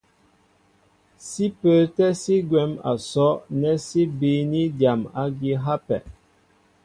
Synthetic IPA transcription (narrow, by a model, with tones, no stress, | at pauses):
si˦pə˨˦tɛ˦si˦ɡwɛ˨˦ma̰˨sɔ˦nɛ˦si˦bi˨˦ni˦dja˨ma˦ɡi˦ɦa˦pɛ̰˨